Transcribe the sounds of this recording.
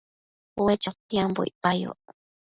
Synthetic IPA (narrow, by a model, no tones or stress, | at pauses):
owet͡ʃot̪iambo̰ḭpajo̰